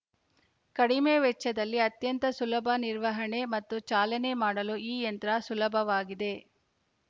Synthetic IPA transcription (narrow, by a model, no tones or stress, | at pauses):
kɐɽimeːʋɛt͡ʃːɐd̪ɐlːiɐt̪jɐnt̪ɐsulɐbʱɐniɾʋɐɦɐɳe̞mɐt̪ːut͡ʃaːlɐne̞maːɽɐluiːjɐnt̪ɾɐsulɐbʱɐʋaːɡid̪e̞